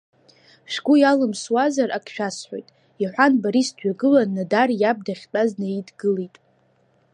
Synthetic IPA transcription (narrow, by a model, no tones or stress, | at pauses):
ʃɡʷujalɨmswazarʔakʰʃᶣasħʷo̰jtʼ | iħʷanbaɾistʰɥᶣaɡɨlanːadarjab̚daχʲtʼaznaidɡɨlitʼ